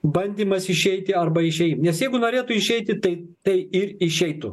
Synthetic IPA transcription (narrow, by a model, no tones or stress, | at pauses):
bɐnʲd̪ʲiːmɐsɪʃʲɛɪt̪ʲɪɐrbɐɪʃʲɛɪmnʲɛsjɛɪɡʊnoːɾʲeːt̪ʊɪʃʲɛɪt̪ʲɪt̪ɐɪt̪ɐɪɪɾɪʃʲɛɪt̪ʊ